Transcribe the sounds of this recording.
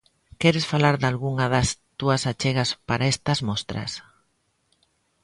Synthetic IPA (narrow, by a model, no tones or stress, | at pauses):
kɛɾesfalaɾðalɣuŋɐðɐst̪uɐsat͡ʃeɣɐspaɾaɛst̪ɐzmɔst̪ɾɐ̰s